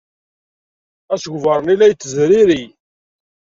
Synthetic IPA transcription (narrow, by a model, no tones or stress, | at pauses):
æsɡvəɾˤənilːæjt͡s̪ːəzɾiɾi